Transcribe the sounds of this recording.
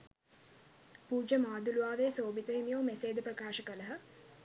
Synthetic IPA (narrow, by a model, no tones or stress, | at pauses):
puːd͡ʒəmaːd̪uluʋaːʋeːsoːbit̪əɦimijoːmeseːd̪əprəkaːʃəkələɦə